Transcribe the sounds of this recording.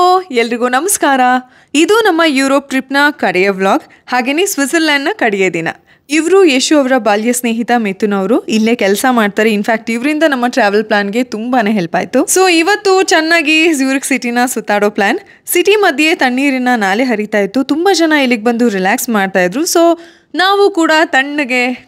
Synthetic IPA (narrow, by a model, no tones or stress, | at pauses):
oelːɾiɡoːnɐmɐskaːɾɐ | id̪unɐmːɐjuːɾo̞ːp̚ʈɾipnɐkɐɽɛjɐʋlaːɡ | haːɡeːnesʋisɐɾlaːɳɖnɐkɐɽɛjeːd̪inɐ̰ | iʋɾujeːʃuɐʋɾɐbaːljɐsne̞ːɦit̪ɐmeːt̪ːunɐʋɾuilːeːkɛlsɐmaːɖ̚t̪aːɾeinfʰaːk̚ʈiʋɾind̪ɐnɐmːɐʈɾaːʋɐlplaːnɡe̞t̪umbɐneːɦelpa̰ːjt̪ːuso̞ːiʋɐt̪ːut͡ʃɛnːaːɡisjuːɾiksiʈinɐsut̪ːaːɽoːplaːn | siʈimɐd̪ʱje̞t̪ɐɳːiːɾinːɐnaːleɦɐɾit̪aːjit̪ːut̪umbɐd͡ʒɐnɐilːiɡ̚ebɐnd̪uɾilaːksmaːɖt̪aːjd̪ɾuso̞ː | naːʋukuːɽɐt̪ɐɳːɐɡe̞